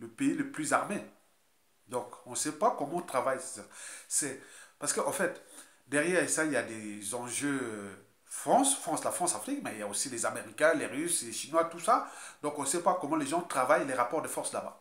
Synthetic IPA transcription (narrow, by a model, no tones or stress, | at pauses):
ləpeiləplyzaʁme | d̪ɔ̃kɔ̃sɛpakɔmɑ̃ɔ̃t̪χavajssasɛpaʁsə̥kəʔɑ̃fɛt̪ | d̪ɛʁjɛʁesailjad̪ezɑ̃ʒø | fχɑ̃sfχɑ̃slafχɑ̃safχikmɛiljaosilezameʁikʲɛ̃leʁysleʃinwat̪usad̪ɔ̃kɔ̃sɛpakɔmɑ̃leʒɑ̃t̪χavajleʁapɔʁd̪əfɔʁsla̰ba̰